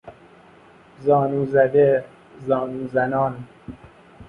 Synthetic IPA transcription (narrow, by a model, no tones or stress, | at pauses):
zɒːnuːzæd̪e | zɒːnuːzænɒːn